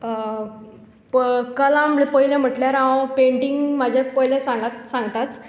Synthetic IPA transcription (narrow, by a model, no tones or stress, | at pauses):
kəlãmepəjlem̤əʈljaɾapeɳʈiŋɡmad͡ʑʱepəjlesãŋɡat̪sãŋɡt̪at͡s